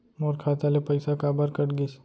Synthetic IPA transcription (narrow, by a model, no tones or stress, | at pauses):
moɾkʰat̪alepəjsakabəɾkəʈɡis